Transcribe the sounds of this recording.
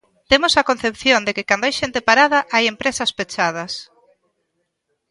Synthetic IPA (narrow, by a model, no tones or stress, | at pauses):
t̪emosɐkon̟θepθjond̪ekɪkand̪oajʃent̪epaɾað̞ɐʔajempɾesɐspet͡ʃað̞ɐs